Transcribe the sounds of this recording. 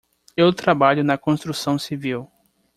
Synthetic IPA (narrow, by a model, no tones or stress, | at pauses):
ewt̪ɾabaʎʊnɐkõst̪ɾusɐ̃w̃siviw